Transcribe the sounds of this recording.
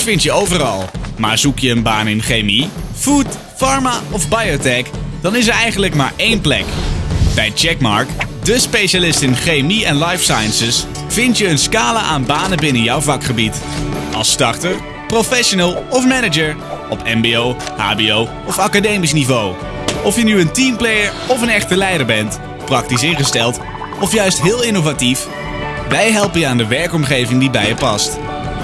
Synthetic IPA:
fɪntjəowvərɑ̰lˠmaːɹzukjəːnbaːnɪnχejmifut | fɑɹmaɔvbajotɛkd̥ɑnɪs̬əɹɛjχən̩ləkma̰ːɹejnplɛ̰kb̥ɛjt͡ʃɛkmɑ̰ɹkdəspejʃalɪstɪnχejmiɛnlɑjfsajənsəs | v̥ɪntjəːnskaːləʔaːnbaːnəbɪnənjɔwvɑkχəbit | ɑ̰lˠstɑɹtəɹ | prowfɛʃonəlˠɔfmɛnəd͡ʒəɹ | ɔpɛmbiow | ha̰ːbiow | ɔfakadejmis̬nivow | ɔfjənyəntimplejəɹ | ɔfənɛχtəlɛjdəɹbɛnt | prɑk̚tisɪnχəstɛlˠt | ɔfjœɥstɦɪːlˠɪnovatif | ʋɛjɦɛlˠpəjəaːndəʋɛɹkɔmχejvɪŋdibɛjəpɑst

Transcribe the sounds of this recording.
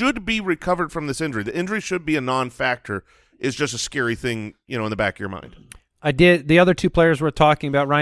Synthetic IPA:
ʃd̚biɹɨkʰʌvə˞d̥fɹʌ̃mðɪsɪ̃nd͡ʒə˞iðiʔɪ̃nd͡ʒə˞iʃɨd̚biɨnɑ̃nfæk̚tʰə˞ | ʔɨzd͡ʒʌstɨskɛɹiθɪ̃ŋjɨñoʊə̃nðəbæ̰kʌvjə̰˞mã̰ɪ̃nd̥ | aɪdɪd̪̚ðiʌðə˞tʰʉpʰl̥eɪə˞zwə˞tʰɔkɪ̃ŋəbaʊt̚ɹãɪ̃

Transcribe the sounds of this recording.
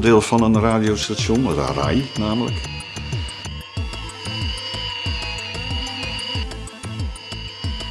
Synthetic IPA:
dɪːlˠfɑnənraːdiostasonəra̰rɛ̰jnaːmələ̰k

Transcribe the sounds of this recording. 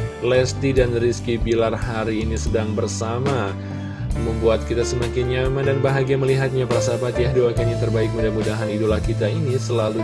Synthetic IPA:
lɛst̪idanriskibilarhaɾiːnisədaŋbərsama | məmbuat̪̚kit̪asəmakɪnɲamandanbaɦaɡiaməliɦat̪̚ɲapəasabat̪̚jahduakeanjaŋt̪ərbaɪk̚mudahmudaɦanidolahkit̪ainisəlalu

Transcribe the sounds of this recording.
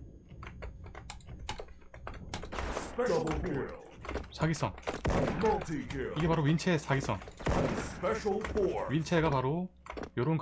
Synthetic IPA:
spɛdʌblɔ | sʰaɡisʰʌŋkʌtʰiɡiɡe̞paɾoɥint͡ɕʰesʰaɡisʰʌŋspɛʃəlˠkɔɥint͡ɕʰe̞ɡapaɾo | joɾonk

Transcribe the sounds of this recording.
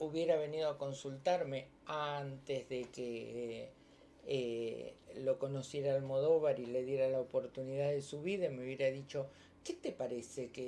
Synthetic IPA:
uβje̞ɾaβe̞nið̞oako̞nsult̪aɾme̞ | ant̪ezðeke | e | lo̞ko̞no̞sje̞ɾaːlmo̞ðo̞βaɾile̞ðje̞ɾalaopo̞ɾt̪uniðaðesuβiðameuβjeɾaðit͡ʃo̞ | ket̪epaɾeseke

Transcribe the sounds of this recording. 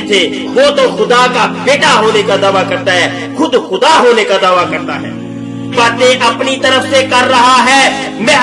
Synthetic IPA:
t̪ʰe | ʋot̪oxʊd̪akabeːʈaɦoːnekad̪ɐʋakɐɾt̪aɦɛː | xʊd̪xʊd̪aɦoːnekad̪ɐʋakɐɾt̪aɦɛ̰ː | bɐːt̪eʔɐpnit̪ɐɾəfsekɐɾːɐɦaɦɛː | mɛ̃ː

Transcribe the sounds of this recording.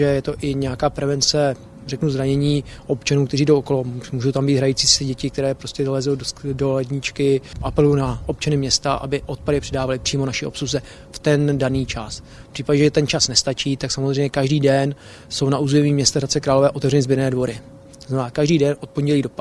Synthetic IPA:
ɛjɛt̪o̞ʔɪɲɛjakaːpɾɛvɛnt͡sɛ | rɛknuzɾaɲɛɲiːʔo̞pt͡ʃanuwkt̪ɛriːdowʔoko̞lomuːʒo̞wt̪ambiːd̪ɦɾajit͡siːsɛɟɛcɪkt̪ɛɾɛːpɾoscɛalɛzowdolɛdɲɪt͡ʃkɪʔapɛlujunaʔo̞p̚t͡ʃanɪmɲɛst̪aʔa̰bɪʔo̞t̪̚padɪpr̥ɛdaːvalɪpr̥iːmo̞naʃɪo̞̰psuzɛ | ft̪ɛndaniːt͡ʃasfpr̥iːpaɟɛʒɛt̪ɛnt͡ʃasnɛst̪at͡ʃiːt̪aksamozr̝ɛjɲɛkaʒdiːdɛn | so̞wnaʔuːzɛmiːmɲɛst̪aɾat͡sɛkɾaːlovɛːʔot̪ɛvrɛnɪzbɪɾnɛːdvo̞ɾɪ | t̪oznamɛnaːkaʒdiːdɛnʔo̞t̪̚po̞nɟɛliːdo̞p

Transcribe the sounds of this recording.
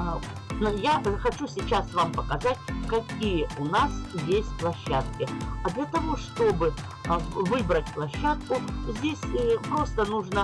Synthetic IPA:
njaxɐt͡ɕusʲɪt͡ɕasvampəkɐzatʲkɐkʲijəʊnasjʲesʲtʲplˠɐɕːat̪̚kʲɪɐd̪lʲɐt̪ɐvo̞ʂt̪o̞bɨ | vɨbɾətʲplˠɐɕːat̪̚kʊzʲdʲesʲpɾo̞st̪ənuʐnə

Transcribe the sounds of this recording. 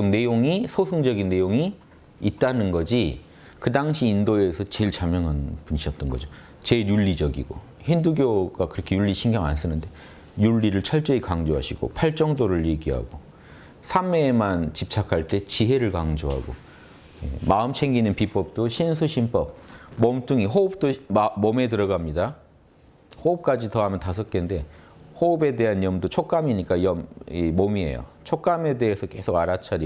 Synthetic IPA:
ɯmne̞joŋisʰosʰɯŋd͡ʑʌɡinːe̞joŋi | it̚t͈anɯnɡʌd͡ʑi | kɯdaŋɕʰiːndoe̞sʰʌt͡ɕe̞iɭt͡ɕamjʌŋɦanpunɕʰiʌt̚t͈ʌnɡʌd͡ʑo | t͡ɕe̞juɭːid͡ʑʌɡḭɡ̥o̰ | henduɡjoɡakɯɾʌkʰe̞juʎːiɕʰinɡjʌŋa̰ns͈ɯnɯnde̞ | juɭːiɾɯɭt͡ɕʰʌɭt͡ɕ͈eikaŋd͡ʑoɦaɕʰiɡ̥o̰pʰaɭt͡ɕ͈ʌŋdoɾɯɭje̞ɡiɦa̰ɡo | sʰamːe̞mant͡ɕip̚t͡ɕʰakʰaɭt͈e̞t͡ɕiɦe̞ɾɯɭkaŋd͡ʑoɦa̰ɡo̰ | jḛmaɯmt͡ɕʰe̞ŋɡinɯnpip͈ʌp̚t͈oɕʰinsʰuɕʰimp͈ʌb̚mʌmt͈uŋiɦoɯp̚t͈omʌme̞tɯɾʌɡamɲida | hoɯp̚k͈ad͡ʑitʌɦamjʌntasʰʌt̚k͈ende̞ | hoɯbe̞de̞ɦanjʌmdot͡ɕʰok͈amiɲik͈ajʌmimomie̞̰jo̰ | t͡ɕʰok͈̚ame̞de̞ɦesʰʌke̞sʰoɡaɾat͡ɕʰaɾi

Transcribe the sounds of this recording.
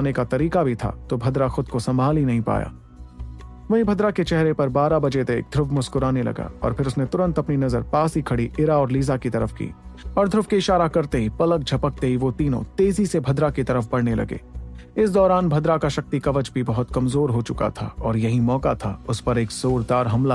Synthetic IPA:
nekat̪ɐɾiːkabʱit̪ʰa̰ːt̪obʱɐd̪ɾaxʊd̪kosɐ̃mbʱaːlinɐɦĩpa̰ːja̰ː | ʋɐɦĩbʱɐd̪ɾaket͡ʃɛɦɾepɐɾbaːɾabɐd͡ʒet̪eḛːk̚d̪ʱɾʊfʰmʊskʊɾaːnelɐ̰ɡa̰ːɔ̰ːɾpʰɪɾʊsnet̪ʊɾə̃nt̪ɐpninɐzə̰ɾpaːsikʰɐɽiʔɪɾaɔːɾliːzakit̪ɐɾəfkḭːɔːɾd̪ʱɾʊfkiɪʃaːɾakɐɾt̪eɦipɐlək̚d͡ʒʱɐpək̚t̪eɦiʋot̪iːnõ̰t̪eːzisebʱɐd̪ɾakit̪ɐɾəfbɐɽnelɐ̰ɡḛːɪs̬d̪ɔːɾaːnbʱɐd̪ɾakaʃɐk̚t̪ikɐʋəd͡ʒbʱibɐɦʊt̪kɐmzoːɾɦot͡ʃʊka̰t̪ʰa̰ɔːɾjɐɦimɔːka̰t̪ʰaʊspɐɾeːkz̥oːɾd̪aːɾɦɐmla

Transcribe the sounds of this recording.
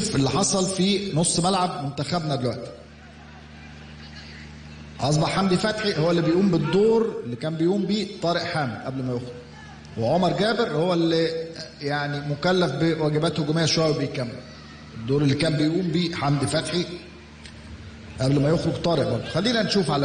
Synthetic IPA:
fʔelːiħɑsˤɑlfiːnosˤːmælʕab̚mont̪æxæbnæd̪elwæʔt̪i̥ | ʔɑs̬ˤbɑħːamd̪ifæt̪ħihowːælːibejʔuːmbed̪ːoːɾelːikæːmbejʔuːmbiːt̪ˤɑːɾeʔħaːmɪd̪ʔæblmæjoxɾoɡ | weʕomɑɾˤɡæːbeɾhowːælːijaʕnimokælːæfbewæːɡæbæːt̪hoɡmejːæʃwæjːbejkæmːæ | ʔed̪ːoːɾˤelːikæːmbejʔuːmbiːħamd̪ifæt̪ħi | ʔæblmæjoxɾoɡt̪ˤɑːɾeʔbɑɾbd̪ˤxælːiːnænʃuːfʕalæ

